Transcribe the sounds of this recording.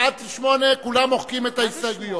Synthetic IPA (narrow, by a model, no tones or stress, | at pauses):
at̪ʃmonekulamoχkimet̪aisdaɡujo